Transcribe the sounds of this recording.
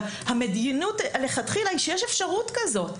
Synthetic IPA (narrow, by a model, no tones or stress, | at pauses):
hamedinutleχat̪χilaiʃejeʃe̞fʃaʁutkazo̞t